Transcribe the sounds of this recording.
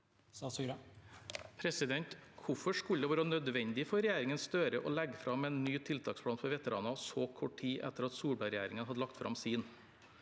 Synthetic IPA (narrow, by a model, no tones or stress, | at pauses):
pʰɾɛsɪd̪ɛnt̪kʰʊfɔʂkʉld̪əʋɑːɾənœd̪ʋɛɲnd̪ɪfɔɾɛjæːɾɪŋənst̪øːɾəʔɔ̰lɛɡəfɾɑmɛːnːyːt̪ʰɪlt̪ʰɑːkspʰɽɑːnpʰɔʋɛt̪əɾɑ̰ːnɑsoːkʰɔʈʰiːʔɛ̰t̪ːəɾɑt̪suːbɑɾɛjæːɾɪŋənɦɑd̪əlɑk̚t̪fɾʔɑ̰msiːn